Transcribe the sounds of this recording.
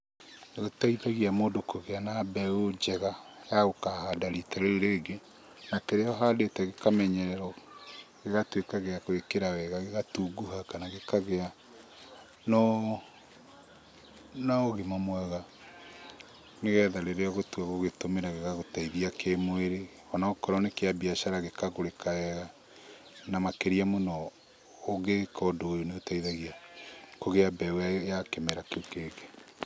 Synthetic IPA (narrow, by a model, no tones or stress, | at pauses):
nɣotaiðaɣiamoːdokoɣeanabɛod͡ʒɛɣajaɣokahadaɾitaɾeɾeːɡe | nakeɾeɔɦaːdetɛɣekamɛɲɛɾɛɾɔɣeɣatwekaɣeakwekeɾawɛɣaɣeɣatuːɡuɦakanaɣekaɣea | nɔ | naoɣemamwaɣa | neɣɛðaɾeɾeaɣotuaɣoɣetomeɾaɣeɣaɣotaiðiakʰemweɾe | ɔnaokɔɾɔnekeabiaʃaɾaɣekaɣoɾekaɛɣa | namakeɾiamonɔ | oɡekɔdoojoneotaiðaɣiakoɣeabɛwajakemɛɾakeokeɣe